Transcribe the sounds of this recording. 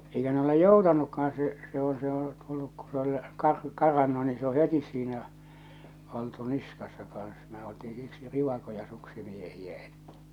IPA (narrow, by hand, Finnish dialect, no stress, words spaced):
eikæ ne ole joutɑnukːɑhɑn se se õː se o tulːuk ku se ol kɑr kɑrɑnːu ni se o hetis siːnæ oltu niskɑsːɑ kɑn̞s me oltiː siksi riʋɑkojɑ suksimiehiæ e̥tːæ̥